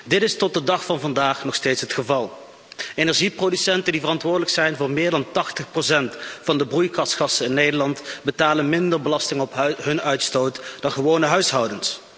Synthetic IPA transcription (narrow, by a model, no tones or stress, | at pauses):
dɪtɪstɔt̚dədɑχfɑnvɑndaːχnɔχsteːtsɦətχəvɑlˠ | eːnɛɹʒiprodysɛntəndivərɑntʋʊːɹdələksɛjnvʊːɹmɪːɹdɑntɑχtəχprosɛntfɑndəbrujkɑsχɑsəɪnːejdəɹlɑntbətaːlənmɪndəɹbəlɑstɪŋɔpɦɵnœɥtstowtd̥ɑnχəʋownəɦœɥsɦɑwdəns